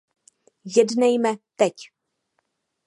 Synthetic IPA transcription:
jɛdnɛjmɛt̪ɛc

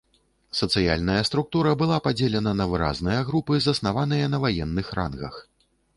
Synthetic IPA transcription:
sɐt̪sɨja̰lʲnɐjɐst̪ɾuk̚t̪uɾɐbɨlˠapad͡zʲelʲɛnɐnɐvɨɾa̰znɨjɐɣɾupɨzɐsnavan̪ɨjɐnɐvajɛnːɨxɾa̰nɣɐ̰x

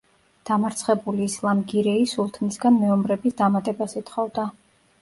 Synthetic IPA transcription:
d̪̥amaɾt̪sʰχɛbuliːslˠamɡiɾɛisulˠt̪ʰnisɡanmɛɔmɾɛbisd̪amat̪ʼɛbasit̪χɔvd̪a

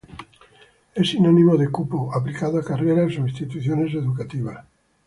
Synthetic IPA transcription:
esinonĩmoðekupoaplikaðoakareɾasoĩnst̪it̪uθjones̬eðukat̪iβ̞as

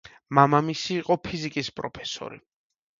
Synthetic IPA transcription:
mamamisiːqʼɔpʰizikʼispʼɾɔpʰɛ̥sɔ̰ɾḭ

